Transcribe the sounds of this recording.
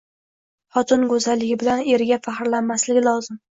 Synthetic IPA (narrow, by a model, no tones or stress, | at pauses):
χɒt̪ʰɪnɡozalːɪɡʲɪbɪlane̞ɾɡʲafaχɾlanmaslɪɡʲɪlˠɒzɪm